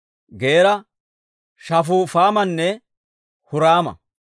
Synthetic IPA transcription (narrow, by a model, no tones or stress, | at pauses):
ɡeːɾɐ | ʃɐf̬ʊːfaːmɐnːɛ | hʊɾaːmɐ̰